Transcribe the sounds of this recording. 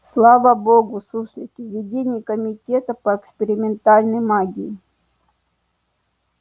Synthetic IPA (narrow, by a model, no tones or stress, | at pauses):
slˠavəboɡʊsuslʲɪkʲɪvvʲɪdʲenʲɪjkəmʲɪtʲet̪əpəɛkspʲɪɾʲɪmʲɪnt̪alʲnəjmaɡʲiɪ